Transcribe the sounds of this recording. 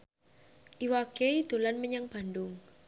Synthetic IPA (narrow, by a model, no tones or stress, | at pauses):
ʔiwaked̪̥o̤lanməɲaŋb̥a̤ndʊŋ